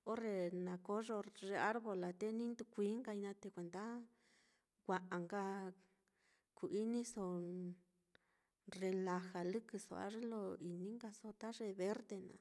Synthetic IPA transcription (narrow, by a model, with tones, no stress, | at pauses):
o˦re˧nã˨ko˦ʐo˧ʐe˧a˦ɾβo˧la˨t̪e˦nĩ˦nd̪u˧kʷiː˦ŋɡa˧i˧nã˧t̪e˧kʷe˨nd̪a˦ | ɡʷa˧ʔa˨ŋɡa˧ | ku˨ʔi˦nĩ˦so˧ | re˧la˧xa˨lɨ˦kɨ˧so̰˧˨a̰˧˦ʐe˦lo˧i˨nĩ˦ŋɡa˧so˧t̪a˦ʐe˧βe˦ɾt̪e˧nã̰˨